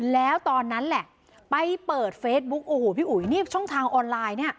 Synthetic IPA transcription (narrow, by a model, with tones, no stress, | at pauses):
lɛː˦˥wt̪ɔː˧nːa˦˥nlɛ˨˩ʔ | pa˧jpɤː˨˩t̪̚feː˦˥t̪̚bu˦˥k̚ʔoː˨˩hoː˨˩pʰiː˥˩ʔu˩˦jniː˥˩t͡ɕʰɔ˥˩ŋt̪ʰaː˧ŋʔɔː˧nlaː˧jni˥˩ɐ